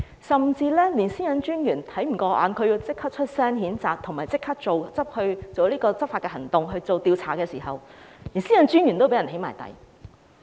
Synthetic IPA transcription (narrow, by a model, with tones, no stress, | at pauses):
sɐ˨mt͡siː˧lɛː˥liː˨˩nsiː˥jɐ˨˧nt͡ʃyː˥njyː˨˩nt̪ʰɐ˨˥jm̩˨˩kɔː˧ʔa̰ː˨˧nkʰɵ˧ɥjiː˧wt͡sɪ˥kʰːɐ˥t͡ʃʰɵ˥t̚sɛː˥nɦiː˨˥nt͡saː˨˧k̚t̪ʰʊ˨˩ŋmaː˨jt͡sɪ˥kʰɐ˥k̚t͡so˨wt͡sɐ˥p̚hɵ˧ɥt͡so˨wliː˥kɔː˧t͡sɐ˥p̚faː˧t̚kɛː˧ɦɐ˨˩ŋt̪ʊ˨ŋɦɵ˧ɥt͡so˨wt̪iː˧wt͡sʰa̰ː˨˩kɛː˧siː˨˩ɦɐ˨wliː˨˩nsiː˥jɐ˨˧nt͡ʃyː˥njy˨˩nt̪o˥wpe˨˥jɐ˨˩he˨˥jmaː˨˩jt̪ɐ̰˨˩j